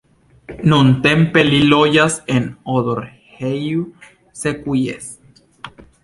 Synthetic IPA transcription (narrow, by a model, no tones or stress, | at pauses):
nunt̪empelilojasenoðoɾ | xeju | sekujḛs